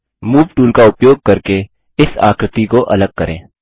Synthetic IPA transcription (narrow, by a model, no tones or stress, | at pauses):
muːʋʈuːlkaʊpjoːɡ̚kɐɾke | ɪsa̰ːkɾɪt̪ikoʔɐ̰ləɡ̚kɐɾḛ̃ː